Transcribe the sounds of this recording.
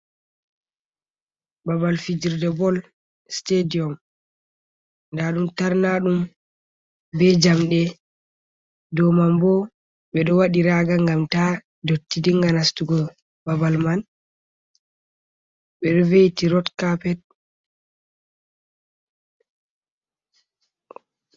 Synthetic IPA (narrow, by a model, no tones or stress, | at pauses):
babalfid͡ʒiɾdɛbɔl | stediɔm | ndaɗumtaɾnaɗum | bɛd͡ʒamɗɛ | dɔmambɔ | ɓɛɗɔwaɗiɾaɡaŋɡamta | dotːidiŋɡanastuɡɔ | babalman | ɓɛɾivejtiɾɔtkapɛt̚